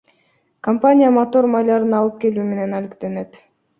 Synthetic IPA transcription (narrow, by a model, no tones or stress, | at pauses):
kɐmpanʲɪjamot̪o̞ɾmajlˠɑɾɯnɑlˠɯp̚ke̞luːme̞ne̞nælikt̪e̞ne̞t̪